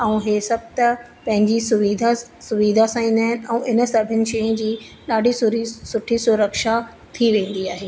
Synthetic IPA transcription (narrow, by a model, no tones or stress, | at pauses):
ɛ̃ũɦeːsɐb̚ʱt̪ɐ | pɐ̃ɦɪ̃ɲd͡ʑisʊʋid̪ʱasʊʋid̪ʱasãĩːnd̪aːɦɪnɪ̆ʔɛ̃ʔɪnə̆sɐbʱɪnɪ̆ʃeːə̃d͡ʑiː | ɗaːɖʱisʊɾisʊʈʰisʊɾəkʃa | t̪ʰiʋẽːn̆d̪iaːɦeː